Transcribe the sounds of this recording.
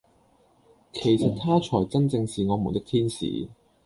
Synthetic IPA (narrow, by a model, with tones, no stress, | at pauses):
kʰe˨˩jsɐ˨t̚t̪ʰaː˥t͡ʃʰɔː˨˩jt͡sɐ˥nt͡sɪ˧ŋsiː˨ŋɔː˨˧mu˨˩t̪ɪ˥kt̪ʰiː˥nsḭː˨